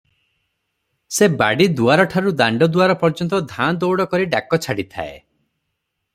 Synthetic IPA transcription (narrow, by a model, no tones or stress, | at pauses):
sebaɽid̪uaɾɔʈʰaɾud̪aɳɖɔd̪uaɾɔpɔɾd͡ʒɔnt̪ɔd̪ʱand̪owɽɔkɔɾiɖakɔt͡ʃʰaɽit̪ʰa̰ḛ